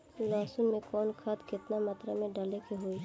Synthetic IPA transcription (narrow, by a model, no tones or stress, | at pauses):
laːsʊnmẽkɔːnkʰat̪kɪt̪namɐt̪ɾamẽɖɐlekeɦoi